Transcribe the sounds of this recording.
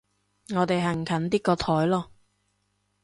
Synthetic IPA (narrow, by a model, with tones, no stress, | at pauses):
ŋɔː˨˧t̪e˨jɦɐ˨˩ŋ˨kʰɐ˨˥nt̪iː˥kɔː˧t̪ʰɔː˨˥jlɔː˧